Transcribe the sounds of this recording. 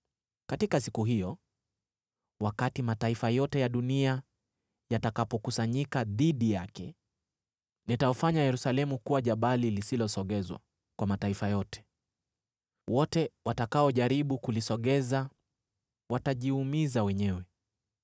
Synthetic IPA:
katikasikuɦijɔ | wakatimataifajɔtɛjaɗunia | jatakapɔkusaɲikaðiɗijakɛ | nitaɔfaɲajɛɾusalɛmukuwaʄaɓalilisilɔsɔɠɛzwa̰ | kwamataifajɔtɛ̥ | wɔtɛwatakaɔʄaɾiɓukulisɔɠɛza | wataʄiumizawɛɲɛwɛ

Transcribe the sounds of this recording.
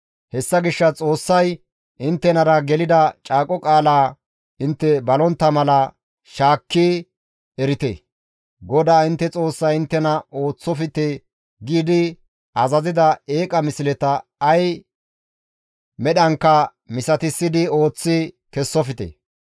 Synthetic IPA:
hɛsːɐɡɪʃːɐt͡sʼo̞ːsːɐj | ʔɪnt̪ːɛnɐɾɐɡɛlɪd̪ɐt͡ʃʼaːkʼɔkʼaːlaː | ɪnt̪ːɛbɐlɔnt̪ːɐmɐlɐ | ʃaːkːi | ɛɾɪt̪ḛ | ɡɔd̪aːɪnt̪ːɛt͡sʼo̞ːsːɐjɪnt̪ːɛnɐo̞ːt͡sːɔfɪt̪e | ɡiːd̪ɪ | ʔɐzɐzɪd̪ɐe̞ːkʼɐmɪsɪlɛt̪ɐɐj | mɛɗɐŋkːɐ | mɪsɐt̪ɪsːɪd̪ɪo̞ːt͡sːɪ | kɛsːɔfɪt̪ḛ

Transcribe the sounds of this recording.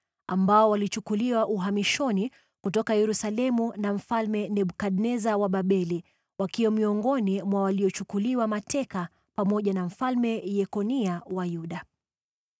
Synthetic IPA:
ambaɔwalit͡ʃukuliwaʔuɦamiʃɔni | kutɔkajɛɾusalɛmunaɱ̩falmɛnɛɓukaɗnɛzawaɓaɓɛli | wakiwɔmiɔŋɡɔnimwawaliɔt͡ʃukuliwamatɛka | pamɔʄanam̩falmɛjɛkɔniawajuɗa

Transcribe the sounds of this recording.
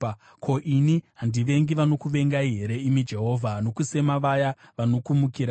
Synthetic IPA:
kʰo̞ʔiniɦandiʋe̞ŋɡiʋano̞kuʋe̞ŋɡaiɦe̞ɾe̞imid͡ʒe̞ɦo̞ːvʱano̞kuse̞maʋajaʋano̞kumukiːɾa

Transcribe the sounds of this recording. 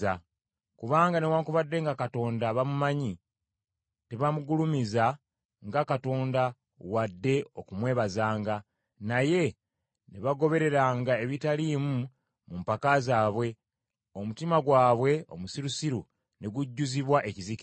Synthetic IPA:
a | kuβaːŋɡanewaːŋkuβadːe̞ŋɡakato̞ːndaβamumaɲi | teβamuɡulumiza | ŋɡakato̞ːnda | wadːe̞o̞kumwe̞ːβazaːŋɡa | naje̞ | neβaɡo̞βe̞ɾe̞ɾaːŋɡae̞βitaliːmu | mumpakazaːβwe̞ | o̞mutimaɡwaːβwe̞o̞̰musiɾusiɾu | ne̞ɡuɟːuziβwaʔe̞cizik

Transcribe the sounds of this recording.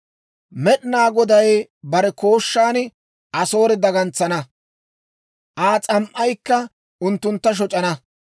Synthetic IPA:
mɛɗɪnaːɡɔd̪ɐjbɐɾɛko̞ːʃːaːn | ʔɐso̞ːɾɛd̪ɐɡɐnt͡sːɐnɐ | ʔaːt͡sʼɐmʔɐjkːɐ | ʊnt̪ːʊnt̪ːɐʃ̬ɔt͡ʃʼɐnɐ

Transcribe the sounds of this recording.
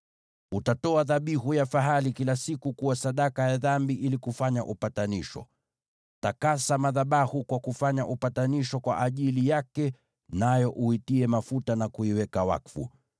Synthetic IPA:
utatɔaðaɓihujafaɦalikilasikukuwasaɗakajaðambiʔilikufaɲa̰ʔupataniʃɔ̰ | takasamaðaɓahukwakufaɲaʔupataniʃɔkwa̰ʔaʄilijakɛ | najɔʔuitiɛmafutanakuiwɛkawa̰kfṵ

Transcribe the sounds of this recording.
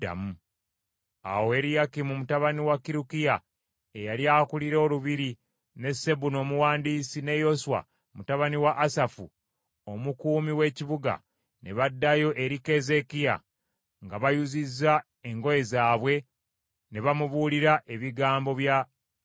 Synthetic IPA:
a̰mu | a̰woe̞ɾijakimumutaβaniwakiɾukija | ejaliakuliɾo̞ːluβiɾi | ne̞se̞βuno̞ːmuwaːndiːsine̞jo̞suwa̰ | mutaβaniwaʔːsafu | omukuːmiwe̞ːciβuɡa̰ | ne̞βadːajo̞ʔe̞ɾike̞ze̞kija̰ | ŋɡaβajuzizːa | e̞ŋɡo̞je̞zaːβwe̞ | ne̞βamuβuːliɾaʔe̞βiɡaːmbo̞βja

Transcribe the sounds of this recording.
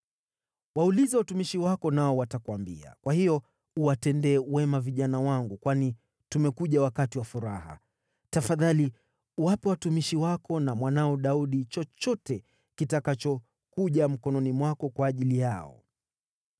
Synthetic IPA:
waulizɛwatumiʃiwakɔnaɔwatakuwambḭa̰kwahijɔ | uwatɛndɛːwɛmaviʄanawaŋɡukwani | tumɛkuʄawakatiwafuɾa̰ha̰ | tafaðali | uwapɛwatumiʃiwakɔnamwanaɔɗauɗit͡ʃɔt͡ʃɔtɛ | kitakat͡ʃɔ | kuʄam̩kɔnɔnimwakɔkwaːʄilijaɔ̰

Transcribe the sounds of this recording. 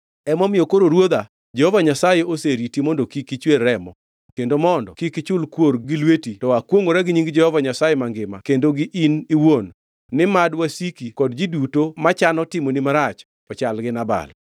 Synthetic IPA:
ɛmɔmɪokoɾoɾwod̪a | d͡ʒehovaɲasajeoseɾitimɔndokikit͡ʃwerːɛmɔ | kendomɔndɔ̰kikɪt͡ʃʊlkwoɾɡɪlwetitɔakwoŋoɾɛɡɪɲiŋɡd͡ʒɛhɔvaɲasajemaŋɡɪma̰kendoɡɪʔiniwonː | ɪmadwasikikɔdd͡ʒidutomat͡ʃanɔtɪmonimaɾat͡ʃ | ɔt͡ʃalɡɪnaba̰l

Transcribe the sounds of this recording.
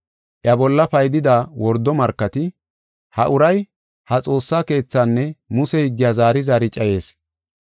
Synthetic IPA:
ʔjɐbɔlːɐpɐjd̪ɪd̪aːwɔɾd̪ːɔmɐɾkːɐt̪ɪ | hɐʔʊɾɐj | hɐt͡sʼo̞ːsːaːke̞ːt͡sːaːnːɛmʊsɛhɪɡːɪjaːzaːɾɪzaːɾɪt͡ʃʼɐje̞ːs

